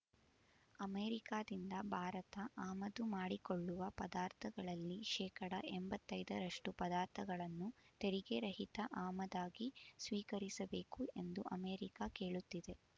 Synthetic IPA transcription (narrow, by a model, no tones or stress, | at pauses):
ɐmeːɾikaːd̪ind̪ɐbʱaːɾɐt̪ɐʔaːmɐd̪umaːɽikoɭːuʋɐpɐd̪aːɾt̪ʰɐɡɐɭɐlːiʃɛːkɐɽɐ̰ʔɛmbɐt̪ːɐjd̪ɐɾɐʂʈupɐd̪aːɾt̪ʰɐɡɐɭɐnːut̪eɾiɡeɾɐɦit̪ɐʔaːmɐd̪aːɡisʋiːkɐɾisɐbe̞ːkue̞nd̪uʔɐmeːɾikake̞ːɭut̪ːid̪e̞